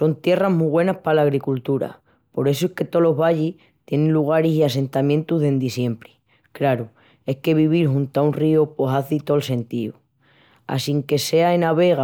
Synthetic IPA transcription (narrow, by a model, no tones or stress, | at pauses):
so̞nt̪je̞raɦmuβwe̞nahpalaːɣ̞ɾikult̪uɾa̰ | po̞ɾe̞soehke̞t̪o̞lo̞ɦβaʎih | t̪je̞nẽnluɣ̞aɾesias̬e̞nt̪amjẽ̞nt̪uɦðe̞nd̪isje̞mpɾi | kɾaɾu | e̞hke̞β̞iβ̞iɾxunt̪aunrioposaθit̪o̞lse̞nt̪iṵ | a̰siŋke̞se̞aenaβe̞ɣa